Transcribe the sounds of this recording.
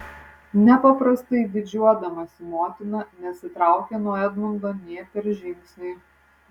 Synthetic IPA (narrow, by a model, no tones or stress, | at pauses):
nʲɛpɐpɾɐst̪ɐɪd̪ʲɪd͡ʒʲuɔd̪ɐmɐsʲɪmoːt̪ʲɪnɐnʲɛsʲɪt̪ɾɑˑʊkʲɛnuɔɛd̪nʊnd̪ɐnʲiɛpʲɛɾʒʲɪmʲksʲnʲɛɪ